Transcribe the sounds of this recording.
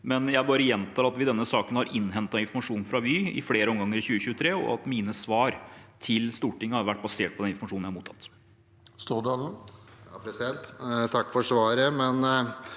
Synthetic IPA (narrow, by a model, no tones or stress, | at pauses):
mɛnjæɪbɑːɾəjɛnt̪ɑːlɑt̪ʋɪd̪ɛnːəsɑːkənhɑɾʔɪnːɦɛnt̪ɑɪnfɔmɑʂuːnfɾɑʋiɪ̰fleːɾəɔmɡɑŋːəɾɪçʉːəçʉːət̪ʰɾeːɔ̰ɑt̪miːnəsʋɑːɾt̪ʰɪlst̪uːʈɪŋːəhɑɾʋæʈ̚ːbɑseːʈ̚pʰɔd̪ɛnɪnfɔmɑʂuːnjæhɾmuːt̪ʰɑt̪ː | st̪ud̪ | ɑpʰɾɛsɪd̪ɛnt̪t̪ʰɑkːfɔʂʋɑːɾəmɛn